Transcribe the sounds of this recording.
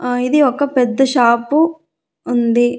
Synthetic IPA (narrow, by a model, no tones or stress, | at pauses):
id̪iɔkːɐpɛd̪ːɐʃaːpu | und̪i